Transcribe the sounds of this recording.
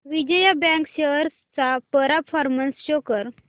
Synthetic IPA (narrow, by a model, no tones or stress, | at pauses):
ʋid͡ʑəjabɛ̃ŋkɕeɾs | t͡sapəɾapʰɔɾmənsɕokəɾ